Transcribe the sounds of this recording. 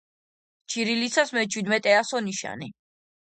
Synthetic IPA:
t͡ʃʰiɾilisasmɛt͡ʃʰwid̪mɛt̪ʼɛasɔniʃa̰ni

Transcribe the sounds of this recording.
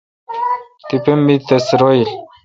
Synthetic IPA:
t̪ipemːit̪esɾoil

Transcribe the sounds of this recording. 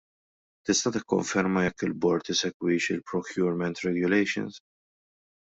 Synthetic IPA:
t̪ɪst̪ɐt̪ɪkːɔ̰ɱfɛɾmɐjɛkːɪlbɔɾt̪ɪsɛkwɪːʃɪlpɾɔkjʊːɾmɛnt̪ɾɛɡjʊlɛjʃɔ̰ns

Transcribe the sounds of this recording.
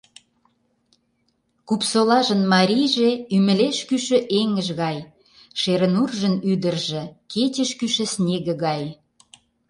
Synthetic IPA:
kupsolɑʒə̆nmɑɾʲijʒeymə̆leʃkyʃə̆ʔeŋə̆ʒɣɑj | ʃeɾənurʒənyd̪ərʒĕket͡ɕəʃkyʃə̆snʲeɣə̆ɣɑj

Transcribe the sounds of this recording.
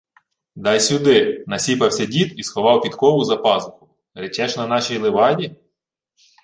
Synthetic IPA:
d̪ɑjsʲʊd̪ɪnɐsʲipɐwsʲɐdʲit̪isxɔʋɑwpʲit̪kɔʋʊzɐpɑzʊxʊ̥ | ɾet͡ʃɛʃnɐnɑʃʲijlˠeʋɑdʲi

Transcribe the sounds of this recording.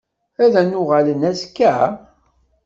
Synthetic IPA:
æðænʊʁalənæskːæ

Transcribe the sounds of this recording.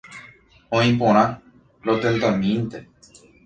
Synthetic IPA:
õĩpõɾ̃ã | ɾot̪ent̪amĩnt̪e

